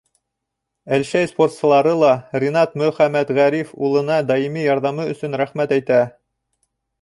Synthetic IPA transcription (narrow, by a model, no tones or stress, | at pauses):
ælʃæjsport̪sɤ̆lˠɑɾɤlˠɑɾʲenɑt̪mɵ̆χæmæt̪ʁæɾifulˠɤ̆nɑd̪ɑjimijɑɾðɑmɤɵ̆sɵnɾæχmæt̪æjt̪æ